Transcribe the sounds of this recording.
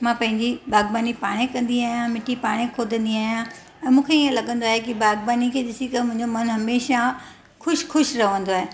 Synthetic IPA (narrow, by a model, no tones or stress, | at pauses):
mãːpɐ̃ɦɪ̃ɲd͡ʑibaːɡbaːnipaːɽ̃ekɐ̃nd̪iaːɦijãmɪʈipaːɽ̃ekʰoːd̪ʱə̃nd̪iaːɦjã | ɛ̃ːmũːkʰeiə̃lɐɠə̃nd̪oaːɦekibaːɡbaːnikʰeːɗɪsit̪ɐmʊ̃ɦɪ̃ɲd͡ʑomɐnɦɐmeːʃa | xʊʃxʊʃɾɐʋə̃nd̪oaːɦeː